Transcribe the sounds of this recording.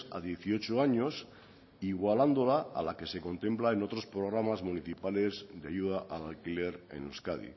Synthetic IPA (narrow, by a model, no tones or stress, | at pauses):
a̰ðje̞θio̞t͡ʃoaɲo̞s | iɣwaland̪o̞laa̰lake̞se̞ko̞nt̪e̞mplae̞no̞t̪ɾo̞spɾo̞ɣ̞ɾamazmuniθipale̞zd̪eajuð̞aʔalalkile̞ɾḛnuskaðḭ